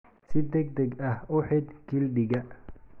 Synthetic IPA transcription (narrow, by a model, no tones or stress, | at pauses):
sɪd̪ɛɡ̚d̪ɛɡɐhʊħɪd̪kɪlɖɪɡɐ